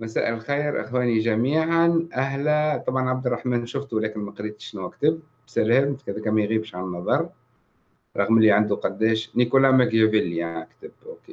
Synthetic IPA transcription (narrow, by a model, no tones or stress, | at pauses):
mæsæ̰ːʔɪlxijɾʔɪ̰xwæːniʒæmiːʕanʔæɦlæt̪ˤɑbʕɑnʕab̚d̪ɾˤɑħmænʃʊft̪uwlæːkɪnmæqɾiːt̪ʃnʊwækt̪əb̚ | bsælæmt̪kæðækæmæjɣiːbʃʕannːɑðˤɑɾˤ | ɾˤɑɣmɪlːiʕand̪uqɑd̪ːɛːʃnikulamækjvilːjaikt̪ɪbʔoke